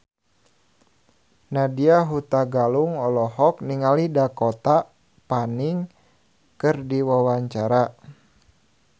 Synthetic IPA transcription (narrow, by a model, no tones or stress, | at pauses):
nadiaɦut̪aɡaluŋɔlɔɦɔkniŋalidakɔt̪a | paniŋ | kɨrdiwawaɲt͡ʃaɾa